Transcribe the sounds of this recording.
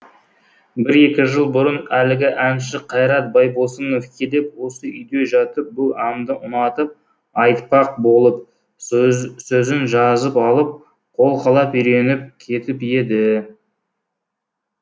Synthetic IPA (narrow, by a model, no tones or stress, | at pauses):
bɪɾe̞kʲɪʒəlˠbʊɾənælɪɡʲɪʔænʃɪqʰɑjɾɑt̪̚bɑjbosənofkʲʰed̪ep̚wo̞səʏjd̪e̞ʒɑt̪əp̚bʊlˠɑmd̪əʔʊnɑt̪əp̚ | ɑjt̪pɑq̚bo̞lˠəp̚ | sɵzɪnʒɑzəpɑlˠəp̚ | qʰo̞lˠqʰɑlˠɑpʏjɾe̞nɪp̚kʲʰe̞t̪ɪpje̞d̪ɪ